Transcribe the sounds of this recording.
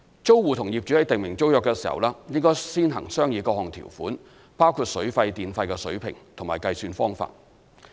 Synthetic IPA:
t͡so˥wwuː˨˧t̪ʰʊ˨˩ŋjiː˨p̚t͡ʃy˨˥hɐ˨˥jt̪ɪ˨ŋmɪ˨˩ŋt͡so˥wjœː˨kːɛː˧siː˨˩hɐ̰˨˩wlaː˥jɪ˥ŋkɔː˥jsiː˥nɦɐ˨˩ŋsœː˥ŋjiː˨˧kɔː˧hɔː˨ŋt̪ʰḭ˨˩wfuː˨˥n | paː˥wkʰuː˨˧t̚sɵ˨˥ɥfɐ˧jt̪iː˨˧nfɐ˧jkɛː˧sɵ̰˨˥ɥpʰɪ̰˨˩ŋt̪ʰʊ˨˩maː˨˩jkɐ˧jsyː˧nfɔː˥ŋfa̰ː˧t̚

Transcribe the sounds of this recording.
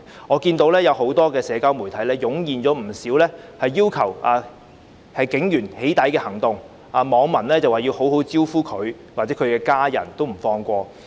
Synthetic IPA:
ŋɔː˨˧kiː˧nt̪o˨˥wlɛː˥jɐ˨˧who˨˥wt̪ɔː˥kɛː˧sɛː˨˧kaː˥wmu˨˩jt̪ʰɐ˨˥jlɛː˥jʊ˨˥ŋjiː˨nt͡sɔː˨˥m̩˨˩siː˨˥wlɛː˥hɐ˨jːiː˥wkʰɐ˨˩waː˨ | hɐ˨jkɪ˨˥ŋjyː˨˩nhe˨˥jt̪ɐ˨˥jkɛː˧hɐ˨˩ŋt̪ʊ˨ŋ | ʔaː˨˧mɔː˨˧ŋmɐ˨˩nlɛː˥t͡sɐ˨˩waː˨˩ji˧who˨˥who˨˥wt͡siː˥wfuː˥kʰɵ˨˧ɥ | waː˨˩t͡sɛː˨˥kʰɵ˨˧ɥkɛː˧kaː˥jɐ̰˨˩nt̪o˥wm̩˨˩fɔː˧ŋkʷɔː˧

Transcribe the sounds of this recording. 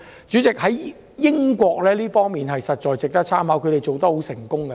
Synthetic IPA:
t͡ʃyː˨˥t͡sɪ˨k̚hɐ˨˥j | jɪ˥ŋkʷɔː˧k̚lɛː˥liː˥fɔː˥ŋmiː˨nɦɐ˨jsɐ˨t̚t͡ʃɔː˨jt͡sɪ˨k̚t̪ɐ˥t͡sʰaː˥mhaː˨˥kʰɵ˨˧t̪e˨jt͡ʃo˨wt̪̬ɐ˥ho˨˥wsɪ˨˩ŋkʊ˥ŋkɐ˧

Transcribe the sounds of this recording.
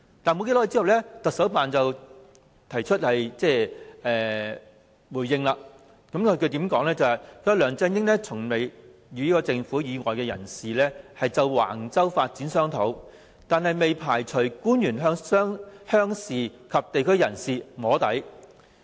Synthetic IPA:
t̪aː˨nmo˧ke˧˥lɔ˥˧t͡si˥ɐ˨wlɛ˥t̪ɐ˨k̚sɐ˨˥wpaː˨nt͡sɐ˨w | t̪ʰɐ˨˩jt͡ʃʰɵ˥t̚hɐ˨jt͡sɛː˥˧ʔɛː˨ | wuː˨˩jːɪ˧ŋlaː˧ | kɐ˨˥mkʰɵ˧kʰɵ˧t̪i˨˥mkɔː˨˥ŋlɛː˥t͡sɐ˨whɐ˨jkʰɵ˧jlœː˨ŋt͡sɛ˧ŋjɪ˥ŋlɛː˥t͡sʰʊ˨˩ŋme˨j | jyː˨˧i˥kɔː˧t͡sɪ˧ŋfuː˨˥jiː˨˧ŋɔː˨jkɛː˧jɐ̰˨˩nsiː˨lɛː˥hɐ˨jt͡sɐ˨˧wwa̰ː˨˩ŋt͡sɐ˥wfaː˧t̚t͡siː˨˥nsœː˥ŋt̪ʰo˨˥w | t̪aː˨nhɐ˨jme˨jpʰaː˨˩jt͡ʃʰɵ˨˩kuː˥njyː˨˩nɦœː˥ŋsœː˥ŋhœː˥ŋsiː˨kʰɐ˨p̚t̪e˨jkʰɵ˥ɥjɐ˨˩nsiː˨ŋɔː˨˥t̪ɐ˨˥j

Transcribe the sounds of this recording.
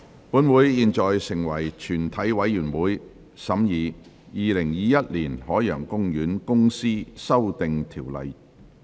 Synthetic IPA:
puː˨˥nwuː˨˥jːiː˨nt͡ʃɔː˨jsɪ˨˩ŋwɐ˨˩jt͡ʃʰyː˨˩nt̪ʰɐ˨˥jwɐ˨˧jːyː˨˩nwuː˨˥j | sɐ˨˥mjiː˨˧ | jiː˨˧lɪ˨˩ŋjiː˨˧jɐ˥t̚liː˨˩nhɔː˨˥jjœː˨˩ŋkʊ˥ŋjyː˨˥nkʊ˥ŋsiː˥sɐ˥wt̪ɪ˨ŋt̪ʰiː˨˩wlɐ̰˨˧j

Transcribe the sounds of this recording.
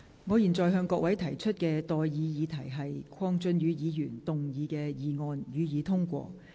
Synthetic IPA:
ŋɔː˨˧jiː˨˩nt͡sɔː˨jɦœː˧ŋkɔː˧k̚wɐ˨˥jt̪ʰɐ˨˩jt͡ʃʰɵ˥t̚kɛː˧t̪ɔː˨jjiː˨˧jiː˨˧t̪ʰɐ˨˩jɦɐ˨jkʰɔː˥ŋt͡ʃɵ˧˥nɥyː˨˧jiː˨˧jyː˨˩nt̪ʊ˨ŋjiː˨˧kɛː˧jiː˨˧ŋɔː˧njyː˨˧jiː˨˧t̪ʰʊ˥ŋkʷɔ̰ː˧

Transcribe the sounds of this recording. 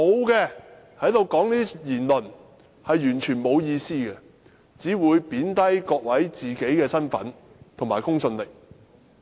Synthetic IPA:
mo˨˧wkɛː˧ | hɐ˨˥jt̪o˨˧wkɔː˨˥ŋniː˥jiː˨˩nlɵ˨˩n | hɐ˨jːyː˨˩nt͡ʃʰyː˨˩nmo˨˧wjiː˧siː˥ɡɛ˧ | t͡siː˨˥wuː˨˧jpiː˨˥nt̪ɐ˥jkɔː˧k̚wɐ˨˥jt͡siː˨˩ke˨˥jkɛː˧sɐ˥nfɐ̰˨˥n | t̪ʰʊ˨˩ŋmaː˨˩kʊ˥ŋsɵ˧nlɪ˨k̚

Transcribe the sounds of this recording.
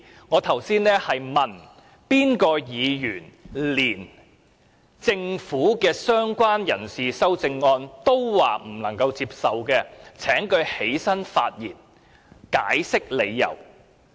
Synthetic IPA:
ŋɔː˨˧t̪ʰɐ˨˩wsiː˥nnɛː˥hɐ˨jmɐ˨˩n | piː˥nkɔː˧jiː˨˧jyː˨˩nliː˨˩n | t͡sɪ˧ŋfuː˨˥kɛː˧sœː˥ŋkʷwaː˥njɐ˨˩nsiː˨sɐ˥wt͡sɪ˧ŋːɔː˧nt̪o˥wwaː˨m̩˨˩nɐ˨˩ŋkɐ˧wt͡siː˧p̚sɐ˨wkɛː˧t͡sʰɛː˨˥ŋkɵ˧ɥhe˨˥jsɐ˥nfa̰ː˧t̚jiː˨˩n | ka̰ː˨˥jsɪ˥k̚le˨˧jːɐ̰˨˩w

